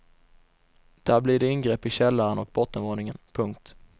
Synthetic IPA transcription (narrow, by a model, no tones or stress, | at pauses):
d̪̥æːɾblɪɖɛɪnɡɾɛːpːɪɕɛlːaɾənɔk̚bɔt̪ːənvoːnɪŋənpʰɵŋk̚t̪